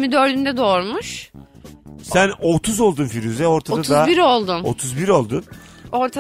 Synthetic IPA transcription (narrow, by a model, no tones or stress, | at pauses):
mid̪ø̞ɾd̪ynd̪ɛd̪o̞ɾmuʃ | sænot̪ʰuzo̞lˠd̪unfiɾyzɛo̞ɾt̪ʰaod̪ad̪azbiɾo̞lˠd̪uno̰t̪ʰuzbiɾo̞lˠd̪un | o̞ɾt̪ʰa